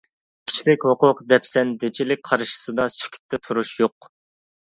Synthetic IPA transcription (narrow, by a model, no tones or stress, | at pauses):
kʲʰi̥t͡ʃʰlɪkʲhoqʊqd̪ɛpsɛnd̪ɪt͡ʃʰilɪk̚ʲqʰɑɾʃɨ̥sɨd̪ɑsy̥kʲʰy̥t̪ʰːɛt̪ʰuɾuʃjoq